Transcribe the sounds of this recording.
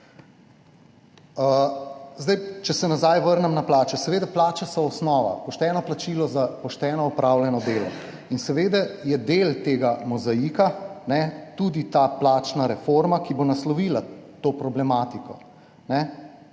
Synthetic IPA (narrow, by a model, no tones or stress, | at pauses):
əzd̪ajt͡ʃɛsɛnazajʋəɾnɛmnaplaːt͡ʃɛsɛʋeːd̪ɛplaːt͡ʃasɔɔsnɔːʋa̰pɔʃt̪ɛːnɔplat͡ʃilɔzapɔʃt̪ɛːnɔɔpɾawljɛnɔd̪eːlɔ̰ | insɛʋeːd̪ɛjɛd̪elt̪eːɡamɔzajikanɛt̪ud̪it̪aːplaːt͡ʃnaɾɛfoɾmakibonaslɔʋiːlat̪oːpɾɔblɛmaːt̪ikɔ | nɛ